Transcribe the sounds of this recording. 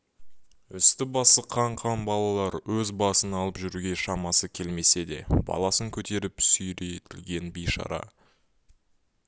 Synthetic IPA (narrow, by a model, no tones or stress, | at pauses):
ʏst̪ɪbɑsəqʰːɑɴqʰɑnbɑlˠɑlˠɑɾwɵzbɑsənɑlˠəpʒʏɾɡʲe̞ʃɑmɑsəkʲʰe̞lme̞se̞d̪e̞̰bɑ̰lˠɑsəŋkʲʰɵt̪e̞ɾɪpsʏjɾet̪ʰɪlɡʲe̞nbejʃɑ̰ɾɑ̰